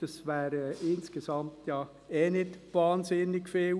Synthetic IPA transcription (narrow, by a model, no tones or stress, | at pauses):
d̥ɑsʋæːɾəɪnskesɑmt̪jɑː | ɛːnɪdʋɑːnsɪnːɪɡ̥fel